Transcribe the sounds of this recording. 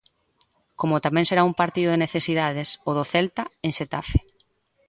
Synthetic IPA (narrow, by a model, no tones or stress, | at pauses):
komʊt̪amɛ̃ŋseɾaumpaɾt̪iðʊðeneθesiðaðesoðoθɛlt̪aeŋʃet̪afe̥